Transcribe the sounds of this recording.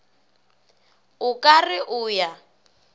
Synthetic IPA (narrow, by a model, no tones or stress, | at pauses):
ʊkʼarɪʔʊːja